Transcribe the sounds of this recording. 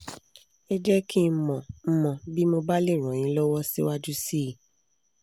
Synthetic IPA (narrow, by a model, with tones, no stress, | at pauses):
ɛ˦d͡ʒɛ˦ki˦mɔ̃˨m̩˦mɔ̃˨bi˦mo˧ba˦le˦˨ɾ̃ɔ̃˨j̃ĩ˨˦lɔ˦wɔ˦si˦wa˦d͡ʒu˦si˦˨